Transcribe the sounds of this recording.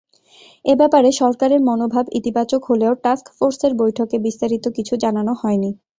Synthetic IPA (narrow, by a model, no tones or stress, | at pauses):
ebɛpaɾeʃɔɾkaɾeɾmonobʱabḭt̪ibat͡ɕokɦoleoʈaskfoɾseɾbojʈʰokebist̪aɾit̪okit͡ɕʰud͡ʑananohɔeni